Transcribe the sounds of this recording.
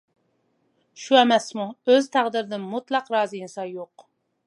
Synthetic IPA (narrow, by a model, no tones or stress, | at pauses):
ʃuɛmɛsmuøzt̪ʰæʁd̪ɪɾɪd̪ɪnmut̪lˠɑqɾɑːzɨinsɑjoq